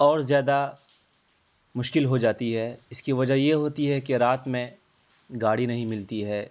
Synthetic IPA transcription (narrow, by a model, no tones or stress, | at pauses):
ɔːɾzjaːd̪a | mʊʃkɪlɦod͡ʒaːt̪iɦɛːɪskiʋɐd͡ʒajeɦoːt̪iɦɛkeɾaːt̪mẽ | ɡaːɽinɐɦĩmɪlt̪iɦɛː